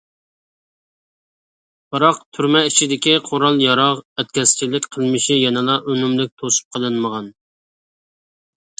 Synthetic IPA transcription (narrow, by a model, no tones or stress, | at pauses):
bɑɾɑqt̪ʰyɾmɛit͡ʃʰid̪ɪkʲiqʰoɾɑlˠjɑɾɑʁɛt̪̚kʲʰɛst͡ʃilɪkʲqʰəlˠmɪʃijɛnɪlˠɑʔønymlɪk̚ʲt̪ʰosu̥p̚qʰəlˠɨnməʁɑn